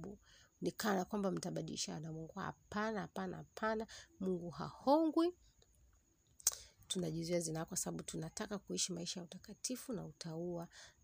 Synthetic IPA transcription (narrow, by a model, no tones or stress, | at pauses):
u | nikanakwambam̩taɓaɗḭliʃaːnamwɔŋɡua̰ha̰panahapana̰hapʰanamuŋɡuɦa̰hɔŋɡwi | tunaʄuziazinaakwasaɓaɓutunatakakuiʃimaiʃajautakatifunautʰaua